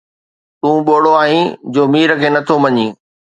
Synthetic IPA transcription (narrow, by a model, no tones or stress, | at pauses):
t̪ũːɓoːɽoaːɦĩd͡ʑoːmiːɾə̆kʰeːnɐt̪ʰomɐɲĩː